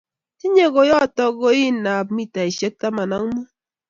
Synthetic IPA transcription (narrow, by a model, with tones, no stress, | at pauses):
i˦ɲe˦ɡo˨jɔ˦˨tɔ˦ɡo˦i˦nːa˨pmi˦ta˨i˨ʃe˦k̚ta˦ma˨na˦ŋmu˦